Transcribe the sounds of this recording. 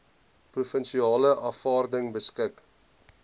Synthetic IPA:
prufənʃiɑːləʔɑfɑːrdəŋbəskək

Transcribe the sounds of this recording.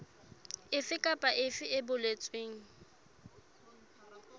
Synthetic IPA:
ɪfɪkʼapʼaʔɪfɪɪbʊlet͡sʼweːŋ̩

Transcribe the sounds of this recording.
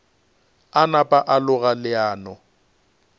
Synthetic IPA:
anapʼaʔalʊɣalɪaːnɔ

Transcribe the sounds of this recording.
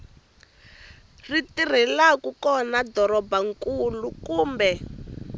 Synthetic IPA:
ritir̤ɛlakukɔnadɔɾɔbaŋkulukuːmbɛ

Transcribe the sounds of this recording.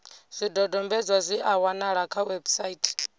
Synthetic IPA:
z̥ʷidɔdɔmbɛd͡zʷwazʷiʔawanaɺakʰawɛbsaitʰ

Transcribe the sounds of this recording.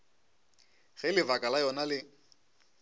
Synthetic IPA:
ɣɛlɪvakʼalajɔnalɪ

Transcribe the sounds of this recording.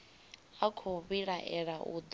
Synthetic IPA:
akʰoβiɺaʔɛɺaʔṵd̪

